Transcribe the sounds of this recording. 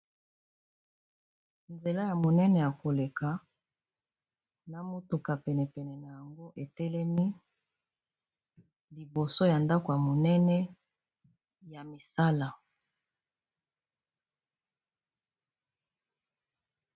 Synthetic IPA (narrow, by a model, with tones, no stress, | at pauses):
nze˨la˦ja˨mo˨nɛ˦nɛ˨ja˨ko˨le˨ka˨ | na˨mo˦tu˨ka˨pɛ˨nɛ˨pɛ˨nɛ˨na˨ja˨ŋɡo˦ʔe˨tɛ˦lɛ˦mi˦ | li˨bo˨so˦ja˨nda˦ko˨ja˨mo˨nɛ˦nɛ˦ | ja˨mi˨sa˦la˨